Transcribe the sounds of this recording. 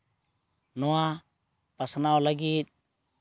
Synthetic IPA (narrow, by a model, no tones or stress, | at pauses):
nɔwa | pəsnawlaɡit̪̚